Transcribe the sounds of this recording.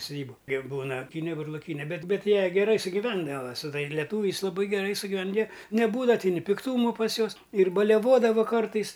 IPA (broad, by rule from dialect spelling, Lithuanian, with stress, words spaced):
sʊˈdʲiːbʊ kʲiɛk ˈbuːnɐ ɐˈpʲiːnʲɛ bʊrlˠoːˈkʲiːnʲɛ ˈbʲɛt ˈbʲɛt ˈjiɛ ɡʲɛˈrɐɪ sʊɡʲɪˈʋʲɛndɐʋɐ sʊ ˈtɐɪ lʲɛˈtuːʋʲɛɪs lˠɐˈbɐɪ ɡʲɛˈrɐɪ sʊɡʲɪˈʋʲɛn jiɛ nʲɛˈbuːdɐʋɐ tʲɪ nʲɪ pʲɪkˈtuːmʊ pɐs ˈjuɔs ɪr bɐlʲɛˈʋoːdɐʋʊ ˈkɐrtɐɪs